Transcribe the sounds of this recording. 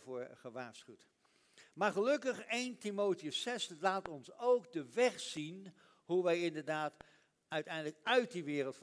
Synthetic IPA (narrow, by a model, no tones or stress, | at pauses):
vʊːɹχəʋaːɹsχywt | maːɹχəlɵkəχejntimoːtiəsɛslaːtɔnsowɡdəʋɛχsin | ɦuʋɛjɪndəɹdaːt | œɥtɛjndələkœɥt̚diʋɪːɾəlˠtf